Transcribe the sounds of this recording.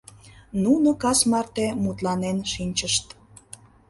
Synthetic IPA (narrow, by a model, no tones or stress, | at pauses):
nunokɑsmɑrt̪emut̪lɑnenʃinʲt͡ɕəʃt̪